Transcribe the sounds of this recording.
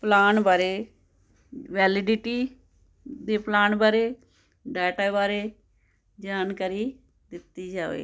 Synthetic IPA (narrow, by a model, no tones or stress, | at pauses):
plaːnbaːɾeː | ʋɛːlɪɖɪʈiː | d̪eːplaːnbaːɾeː | ɖɛːʈaːbaːɾeː | d͡ʒaːnkəɾiː | d̪ɪt̪ːiːd͡ʒaːʋḛː